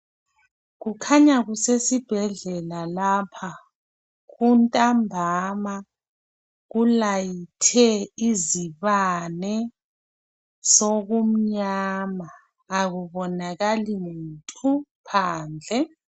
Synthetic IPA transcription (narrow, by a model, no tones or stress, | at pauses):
ɣukʰaɲaɣusesib̥ʱɛɮɛlalapʰa | ɣuntʼambʱama | ɣulajitʰɛiziβanɛ | soɣum̩ɲamaː | ɣuβɔnaɣaliŋuntʼupʰaːnd͡ɮʱɛ